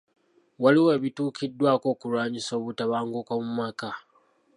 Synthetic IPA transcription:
waliweːβituːkʰidːwaːko̞ːkuɾwaːɲiso̞ːβutaβaːŋɡukamumaːka

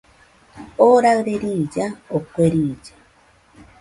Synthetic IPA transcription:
oɾaɾeɾiːd͡ʒaokʷeɾiːd͡ʒḁ

